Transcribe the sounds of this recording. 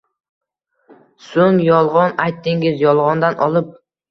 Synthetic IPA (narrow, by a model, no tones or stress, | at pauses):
soŋjɒlˠʁɒnajt̪ːɪŋɪzjɒlˠʁɒnd̪anʔɒlˠɪp̚